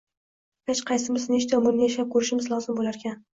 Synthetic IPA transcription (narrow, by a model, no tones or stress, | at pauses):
bat͡ʃqʰɑjsɪmɪzɪneʃt̪aɒmʊɾnɪjaʃap̚kʰɵɾɪʃɪmɪzlˠɒzɪmbolaɾkʲʰan